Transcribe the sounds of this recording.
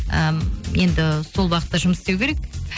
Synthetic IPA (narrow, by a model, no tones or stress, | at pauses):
əje̞nd̪ɪso̞lˠwɑqət̪ːɑʒʊməsst̪ewkʰʲeɾek